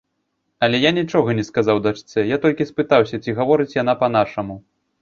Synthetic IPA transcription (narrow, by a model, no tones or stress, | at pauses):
ɐlʲɛjanʲit͡ʂɔɣɐnʲɛskazawd̪at͡ʂt̪sɛjat̪ɔlʲkʲispɨt̪awsʲɐt͡sʲiɣavɔɾɨt͡sʲjanapɐn̪aʂɐmu